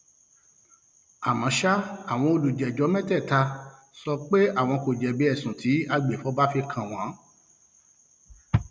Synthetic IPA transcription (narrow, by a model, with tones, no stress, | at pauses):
a˨mã˨˦ʃa˦a˦˨w̃ɔ̃˧o˧˨lu˨d͡ʒɛ˨d͡ʒɔ˨˦mɛ̃˦tɛ˦˨ta˧ | sɔ˧k͡pe˦a˦˨w̃ɔ̃˧ko˨d͡ʒɛ˨bi˨˦ɛ˦˨sũ˨tʰi˨˦a˧ɡ͡be˨fɔ˨˦ba˦fi˧kʰã˨w̃ã˨˦